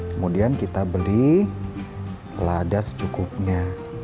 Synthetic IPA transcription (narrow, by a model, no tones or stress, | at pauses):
kəmudiankit̪abəli | ladast͡ʃukʊp̚ɲa